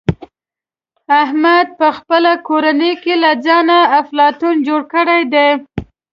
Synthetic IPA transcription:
aɦmad̪̚pəxpəlakoɾanəjkelad͡zɑnaːflɑt̪und͡ʒoɽkəɽajd̪e

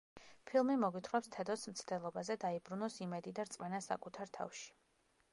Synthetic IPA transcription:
pʰilˠmimɔɡwit̪ʰχwɛpst̪ʰɛd̪ɔsmt̪sʰd̪ɛlˠɔbazɛd̪aibɾunɔsimɛd̪id̪aɾt̪sʼmɛnasa̰kʼut̪ʰaɾt̪ʰa̰fʃi̥

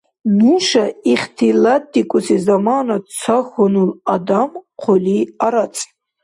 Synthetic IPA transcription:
nuʃaiχʲtʰilatʰʼːikʼʊsizamanat͡sʰaxonuladamqʷʰoliaɾat͡sʼ

